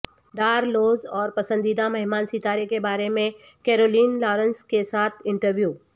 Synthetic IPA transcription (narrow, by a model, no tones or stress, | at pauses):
ɖaːɾloːzɔːɾpɐsə̃nd̪iːd̪amɐɦɪmaːnsit̪aːɾekebaːɾemẽ | keːɾoːliːnlɔːɾə̃nskesaːt̪ʰɪ̃ɳʈəɾʋjuː